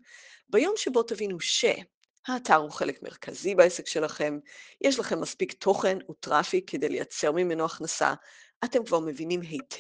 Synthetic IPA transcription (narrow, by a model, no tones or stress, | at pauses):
bajo̞mʃebo̞tavinuʃḛ | haːtaʁhuχe̞le̞kme̞̰ʁkʰa̰zibaesekʃe̞laχe̞mjʔɛʃ̬laχe̞mːaspiktʰo̞χe̞nutʁafikʰːede̞jleja̰t͡se̞ʁmimenoaχnasa̰ʔate̞mkvaʁme̞vinimɦejtʰ